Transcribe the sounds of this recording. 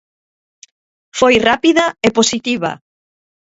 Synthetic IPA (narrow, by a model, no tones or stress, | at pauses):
fojrapiðɐeposit̪iβa̰